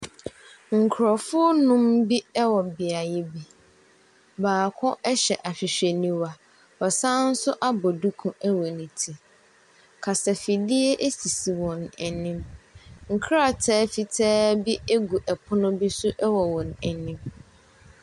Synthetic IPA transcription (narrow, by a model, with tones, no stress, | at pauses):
ŋ̩˨kʰʊ˨ɾɔ˨fʊ˦nʊ̃˦mbi˦ɛ˦wɔ˨bɪ˨a˨jɪ˦bi˦ | baː˨kʰʊ̃˦ʔɛ˦ɕɛ˨ʔa˨ɕᶣɪ˨ɕᶣɛ˨nĩ˨wa˨ | ɔ˨sã˦n̩˦sʊ˦ʔa˦bɔ˨du˦kʰũ˦ɛ˦wɔ˨nĩ˨tʰi˨ | kʰa˨sa˨fi˨dɪ˦e˦ʔe˦si˨si˨wɔ̃˨nɛ˨nĩ˦mŋ̩˨kʰɾa˦˨tʰɛː˦fi˨tʰɛː˦bi˦e˦ɡu˨ʔɛ˨pʰʊ˦nʊ̃˦bi˦sʊ˦ʔɛ˦wɔ˨wɔ̃˨nɛ˨nĩ˦m